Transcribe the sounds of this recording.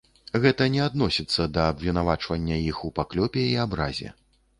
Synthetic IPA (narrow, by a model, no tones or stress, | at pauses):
ɣɛt̪ɐnʲɛad̪nɔsʲit̪sːɐd̪ɐːbvʲinavat͡ʂvɐnʲːɐjixupaklʲɔpʲɛiabɾazʲɛ̰